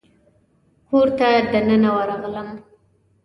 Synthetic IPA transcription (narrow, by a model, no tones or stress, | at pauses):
koɾt̪ad̪anənawəɾaɣləm